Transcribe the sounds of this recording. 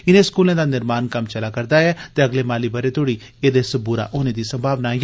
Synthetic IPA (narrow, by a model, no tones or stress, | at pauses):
ɪneːskuːlẽːd̪aːnɪɾmaːnkəmt͡ʃəlaːkəɾd̪aːɛːt̪eːəɡleːmaːliːbəɾeːt̪oːɽiː | eːd̪eːsəbuːɾa̰ːʔoːneːd̪iːsəmbʱaːʋnaːj